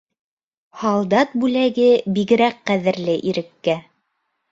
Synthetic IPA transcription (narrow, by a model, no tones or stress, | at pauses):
hɑlˠd̪ɑt̪̚bʉlæɡɘbiɣɘ̆ɾæqqæðɘ̆ɾlɘʔiɾɘ̆kːæ